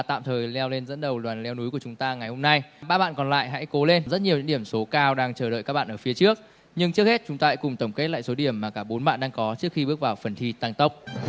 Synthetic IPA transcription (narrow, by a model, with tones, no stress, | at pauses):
t̪a̰ː˧˨mt̪ʰəː˨˩jlɛ˧wle˧nzə̰˧˥nɗə˨˩wlwaː˨˩nlɛ˧wnu˨˦jku˧˩ət͡ɕʊ˨˦ŋ͡mt̪aː˧ŋa˨˩jho˧mna˧jɓaː˧ɓa̰ː˧˨nkɔ˨˩nla̰ː˧˨jɦa̰˧˥jko˨˦le˧nzə˦˥t̚ɲi˨˩əɲɨ̰˧˥ŋɗi˧˩əmso˨˦kaː˧wɗaː˧ŋt͡ɕəː˧˩ɗə̰ː˧˨jkaː˦˥ɓa̰ː˧˨ʔəː˧˩fi˨˦ət͡ɕɨ˦˥ək̚ | ɲɨ˧ŋt͡ɕɨ˦˥k̚he˦˥t̚t͡ɕʊ˨˦ŋ͡mt̪aː˧˦kʊ˨˩ŋ͡mt̪ə˧˩ŋ͡mke˦˥t̚la̰ː˧˨jso˨˦ɗi˧˩əmːaː˨˩kaː˧˩ɓo˨˦nɓa̰ː˧˨nɗaː˧ŋkɔ˨˦t͡ɕɨ˦˥ək̚xi˧ɓɨ˦˥ək̚vaː˨˩wfə˨˩nt̪ʰi˧t̪aː˧ŋt̪ə˦˥wk͡p̚